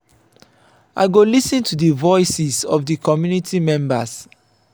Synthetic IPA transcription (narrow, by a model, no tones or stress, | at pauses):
ʔa̰ɪɡolisə̃ntʰudəvɔɪsizɔvdəkʰɔmjunitʰimɛ̃mbə̰s